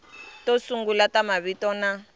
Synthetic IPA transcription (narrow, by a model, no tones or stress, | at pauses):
tɔsuŋɡulatamaβitɔna